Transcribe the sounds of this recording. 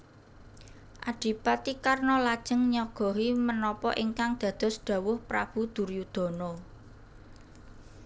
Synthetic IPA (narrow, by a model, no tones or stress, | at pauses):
ʔaɖ̥i̤pat̪ikarnɔlad̥ʒ̥ə̤ŋɲɔɡ̥ɔ̤ɦimənɔpɔʔiŋkaŋd̪̥ä̤d̪̥ɔ̤sɖ̪̥a̤wʊhpɾa̰b̥ṳd̪̥ṳrjud̪̥ɔ̤nɔ